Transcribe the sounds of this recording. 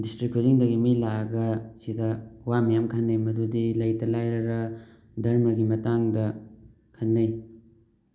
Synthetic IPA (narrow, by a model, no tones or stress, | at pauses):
distɾikʰoziŋdɐɡimilaɐɡɐsidɐwamijamkʰɐnːɐjmɐdudilɐjtɐlajɾɐɾɐ | dɐɾmɐɡimɐtaŋdɐ | kʰɐnːɐj